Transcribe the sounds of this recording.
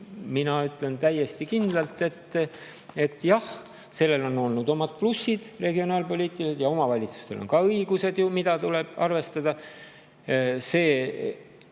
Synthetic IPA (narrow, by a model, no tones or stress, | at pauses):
minɑyt̪ˑle̞nt̪æje̞st̪ikind̪lɑlt̪ːe̞t̪ː | e̞t̪ːˑjɑh | se̞lːe̞lo̞nːo̞lnud̪o̞mɑt̪̚plusːid̪̥re̞ɡio̞nɑːlpo̞lʲiːt̪ːˑilsed̪jɑo̞mɑvɑlʲit̪su̥st̪e̞̰lo̰nkɑɤjɡ̥use̞d̪̥jumid̪̥ɑt̪ule̞b̥ɑ̰rve̞st̪ɑd̪̥ɑ | se̞ː